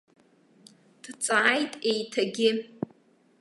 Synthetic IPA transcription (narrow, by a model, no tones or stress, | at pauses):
d̥t͡sʼaːjtʼejtʰaɡʲɪ